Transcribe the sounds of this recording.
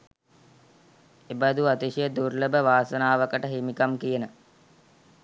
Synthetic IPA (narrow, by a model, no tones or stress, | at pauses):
ebad̪uat̪iʃijəd̪urləbəʋaːsənaːʋəkəʈəɦimikamkijənə